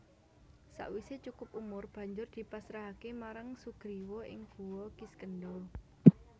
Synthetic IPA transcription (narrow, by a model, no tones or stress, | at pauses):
sa̰ʔwiset͡ʃukʊpumʊrb̥ä̤ɲd͡ʒʊrd̪̥i̤pasɾaɦakemaɾaŋsuɡ̥ɾiwɔɪ̰ŋɡ̥ṳwɔɡ̥iskənɖɔ